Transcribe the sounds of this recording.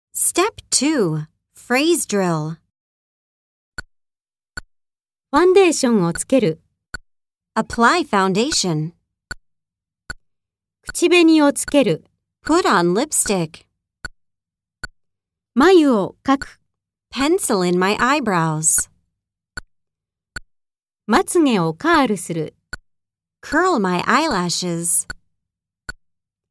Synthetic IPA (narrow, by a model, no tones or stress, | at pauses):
stɛptʰʉ | fɹeɪzdɹɪlˠ | ɸãnd̪e̞ːɕõŋ̃ot͡sɨ̥ke̞ɾɯ | əpʰl̥aɪfãʊ̃ndeɪʃɨ̃n | kɯ̥t͡ɕibe̞ɲiot͡sɨ̥ke̞ɾɯ̟ | pʰʊɾn̩lɪpstɪk | majɯokakɯ̥ | pʰɛ̃nsl̩ˠɪ̃nmaɪʔaɪbɹaʊz̥ | mat͡sɨŋẽ̞okaːɾɯsɨɾɯ̰ | kʰɜ˞lˠmaɪʔaɪlæʃɪz̥